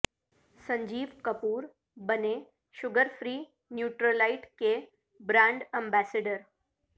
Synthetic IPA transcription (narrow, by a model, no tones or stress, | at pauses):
sə̃ɲd͡ʒiːʋkəpuːɾ | bəne | ʃʊɡəɾfɾiː | njuːʈɾəlaɪʈke | bɾãɳɖɛ̃mbæseɖəɾ